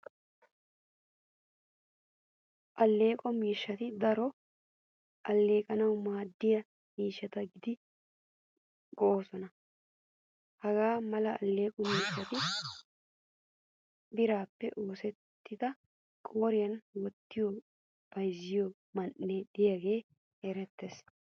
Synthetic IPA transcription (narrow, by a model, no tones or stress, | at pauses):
ʔɐlːe̞ːkʼɔmiːʃːɐt̪ɪd̪ɐɾɔ | ʔɐlːe̞ːkʼɐnɐwmaːd̪ːɪjɐ | miːʃːɐt̪ɐɡɪd̪ɪ | ɡɔʔo̞ːsɔnɐ | hɐɡaːmɐlɐɐ̰lːe̞ːkʼɔmiːʃːɐt̪ɪ | bɪɾaːpːɛʔo̞ːsɛt̪ːɪd̪ɐ | kʼo̞ːɾɪjɐnwɔt̪ːɪjɔ | b̥ɐjzɪjɔ | mɐnʔːɛd̪ɪjaɡe̞ː | hɛɾɛt̪ːes